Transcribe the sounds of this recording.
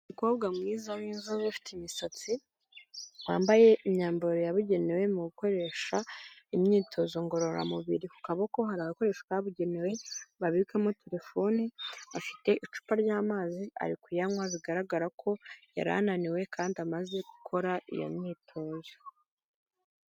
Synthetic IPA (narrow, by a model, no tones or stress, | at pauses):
ikoβɡamŋiːzawiːnzuβafi̥teimisat͡si | wa̰ːmbaje̞imɲaːmboɾojaβuɟe̞newe̞muɡuko̞ɾe̞ʃaimɲiːtʰo̞zo̞ŋɡo̞ɾo̞ɾa̰muβiɾiku̥kaβoko̞ɦaɾaːɡako̞ɾe̞ːʃḁkaaβuɟe̞newe̞βaβikamotʰe̞ɾe̞fo̞niafi̥te̞ʔit͡ʃu̥paɾɟaːmaːziʔa̰ɾikujamwaziɡaɾaɡaɾakʰo̞ja̰ɾa̰naniwe̞kʰaːndiamaze̞ɡu̥kʰo̞ɾaḭjo̰mɲiːtʰo̞ːzo